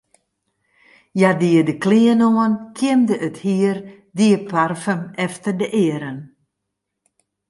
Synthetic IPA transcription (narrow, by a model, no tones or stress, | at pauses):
jadiədəkliənoənkʰɪəmdəʔəthiər | diəpʰarfəmɛftərdəʔɪəɾən